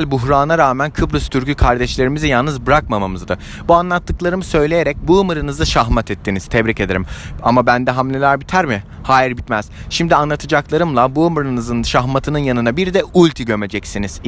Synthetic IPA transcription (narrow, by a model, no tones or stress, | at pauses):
lʲbuɦɾaːnaɾaːmænkʰɯbɾɯst̪ʰyɾkykʰaɾd̪ɛʃlʲe̞ɾimizɛjalˠnɯzbɯɾakmamamɯzd̪ɯ | buanlˠat̪ːɯklˠaɾɯmɯsø̞jlʲe̞jeɾɛc̚buɯmɯɾɯnɯzd̪aʃaɦmat̪ʰɛt̪ʰːiniz̥t̪ʰɛbɾice̞d̪ḛɾima̰mabænd̪ɛɦamlʲelʲæɾbit̪ʰæɾmɪ | haːjiɾbit̪mæz̥ʃimd̪ianlˠat̪ʰɯd͡ʒaklˠaɾɯmlˠabuɯmɯɾɯnɯzɯnʃaɦmat̪ʰɯnɯnjanɯnabiɾd̪ɛulʲt̪ʰiɟø̞me̞d͡ʒɛcsiniz̥